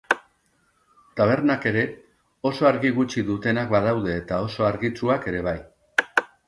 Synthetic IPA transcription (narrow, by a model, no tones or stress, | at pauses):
t̪aβ̞e̞ɾnake̞ɾe̞ | o̞so̞aɾɣiɣut͡ʃiðut̪e̞nak̚bað̞awðe̞ːt̪ao̞so̞aɾɣit͡suake̞ɾe̞β̞aj